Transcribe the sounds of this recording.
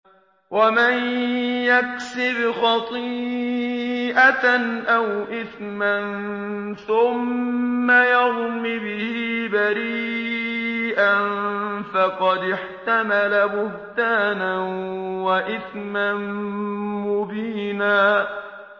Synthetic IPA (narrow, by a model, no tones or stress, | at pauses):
wamanjaksɪbxɑt̪ˤi | ʔanʔawʔɪθ | man | θʊmː | ajɑðmibɪhiːbaɾiː | ʔanfɑqɑd̪ɪħt̪amalabʊht̪aːnanwaʔɪθman | mʊbiːnaː